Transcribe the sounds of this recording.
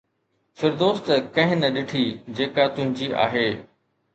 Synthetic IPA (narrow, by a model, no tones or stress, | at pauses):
fɪɾd̪oːst̪kɐ̃ɦɪ̃nɐɗɪʈʰid͡ʑeːkat̪ʊ̃ɦɪ̃ɲd͡ʑiʔa̰ːɦeː